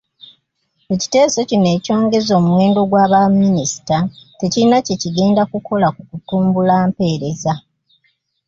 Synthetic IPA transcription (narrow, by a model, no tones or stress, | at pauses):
eci̥te̞ːso̞cine̞ːco̞ːŋɡe̞zo̞ːmuwe̞ːndo̞ɡwaːβamːinisi̥tate̞ciɾinaceciɡe̞ːndakukʰo̞lakukutuːmbulaːmpe̞ːɾe̞za